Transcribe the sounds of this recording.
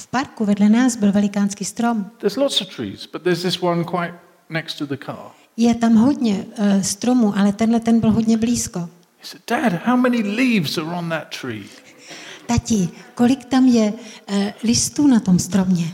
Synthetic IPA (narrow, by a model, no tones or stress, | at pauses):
fpaɾkuvɛdlɛnaːsbɪlvɛlɪkaːnskiːst̪ɾo̞mðə˞zlɔtsəv̥tʰɹ̥ḭz̥b̥ʌt̪̚ðəzðɪswʌ̃nkʰw̥aɪt | nɛkstʰəðəkʰɑ̰ɹ | jɛt̪amɦo̞dɲɛst̪ɾo̞muʔalɛt̪ɛnɦlɛt̪ɛnbɪlɦo̞ɟɲɛbliːsko̞ | isɛd̚d̥æd̥̚haʊmɛnilivzə˞ə̃nðətʰɹ̥ḭː | t̪acɪko̞lɪkt̪amjɛ | lɪst̪uːnat̪o̞mst̪ɾo̞mɲɛ